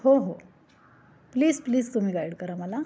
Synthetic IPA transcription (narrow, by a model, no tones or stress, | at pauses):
hoɦo | pliːzpliːd͡zt̪um̤iːɡajɽkəɾaməla